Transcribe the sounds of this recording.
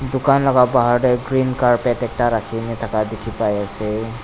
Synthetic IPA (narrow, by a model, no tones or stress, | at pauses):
dukanlɔɡabaɦaɾɾeɡɾinkaɹpetɛk̚taɾakʰinɛt̪ʰakad̪ikʰipajasɛ